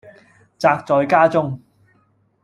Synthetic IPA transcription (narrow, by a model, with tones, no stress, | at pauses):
t͡saː˧k̚t͡sɔː˨˧jkaː˥t͡sʊ˥ŋ